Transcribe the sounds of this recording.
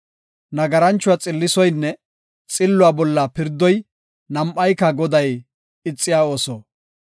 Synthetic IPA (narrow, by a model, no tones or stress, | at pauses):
nɐɡɐɾɐnt͡ʃːʊat͡sʼɪlːɪsɔjnːɛ | t͡sʼɪlːʊaːbɔlːɐpɪɾd̪ːɔj | nɐmʔɐjkːɐɡɔd̪ɐj | ɪt͡sʼːɪjaːo̞ːsoː